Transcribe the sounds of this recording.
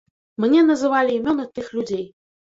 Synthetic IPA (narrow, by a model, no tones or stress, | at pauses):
mnʲɛnɐzɨvalʲiːmʲɔnɨt̪ɨxlʲud͡zʲej